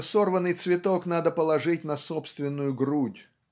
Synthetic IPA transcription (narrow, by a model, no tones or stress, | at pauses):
sorvənːɨjt̪svʲɪt̪oknad̪əpəlˠɐʐɨt̚ʲnɐsopst̪vʲɪnːʊjʊɡrudʲ